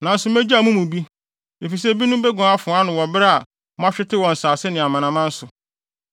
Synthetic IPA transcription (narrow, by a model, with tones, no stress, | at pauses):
nã˨n̩˦sʊ˨mɛ̃˦d͡ʑmũ˦mũ˨bi˦ | e˨fi˨s̬ɛ˦˨bi˦nʊ̃˦bɛ˦ɡɔ̃˨a˦fʊ˨˦a˦nʊ̃˨wɔ˨bɾa˨ | mʊ̃˦a˦ɕᶣɪ˦tʰɪ˦wɔ̃˨n̩˨saː˨sɪ˦nɪ̃˨a˨mã˨nã˨mã˦n̩˦sʊ˨